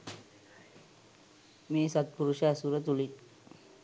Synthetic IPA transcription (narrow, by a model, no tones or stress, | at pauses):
miːsət̪̚puɾuɕasuɾət̪ulit̪̚